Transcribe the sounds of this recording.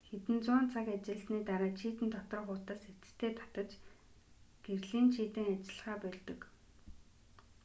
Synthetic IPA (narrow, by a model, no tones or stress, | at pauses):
xet̪ɘ̆nt͡sʊːnt͡sʰakat͡ɕɪ̆ɮəsniːt̪aɾaːt͡ɕʰiːt̪ɘ̆nt̪ʰɔt̪ɞ̆rχʊːt̪aːse̥t͡sɘ̥̆t̪ʰːeːt̪ʰḁt̪ə̆t͡ɕ | ɡ̥erɮiːnʃiːt̪ĕːŋat͡ɕɪ̆ɮ̆χaːpœɮt̪ɵ̆k